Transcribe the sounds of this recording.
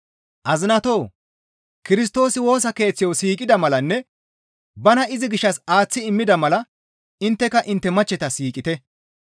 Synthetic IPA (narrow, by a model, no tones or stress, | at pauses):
ʔɐzɪnɐt̪o̞ː | kɪɾɪs̬t̪o̞ːsɪwo̞ːs̬ɐke̞ːt͡sːɪjowsiːkʼɪd̪ɐmɐlɐnːɛ | bɐnɐɪzɪɡɪʃːɐsaːt͡sːɪɪmːɪd̪ɐmɐlɐ | ɪnt̪ːɛkɐʔɪnt̪ːɛmɐt͡ʃːɛt̪ɐsiːkʼɪt̪ɛ